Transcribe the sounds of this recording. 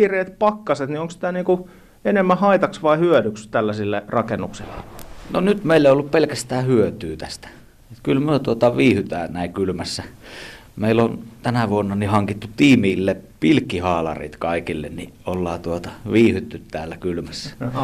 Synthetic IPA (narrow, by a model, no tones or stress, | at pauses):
ireːt̪pɑkːɑset̪nioŋksi̥t̪æniːŋku | enemːæhɑit̪ɑksʋɑihyødykst̪ælːæsilːerɑkenːuksilːenonyt̪meˑilːeˑiolːuppelkæst̪æːhyøt̪yːt̪æst̪æ̥ | t̪kylmyøt̪uot̪ɑʋiːhyt̪æ̰ːnæˑikylmæsːæ | meˑilont̪ænæʋuonːɑnihɑŋkit̪ːut̪iːmiːlːepilkːihɑːlɑ̰rḭːt̪kɑˑikilːḛnnḭʔolːɑ̰ːt̪uot̪ɑ̥ʋiːhyt̪ːyt̪tæ̰ːlːækylmæsːæ̥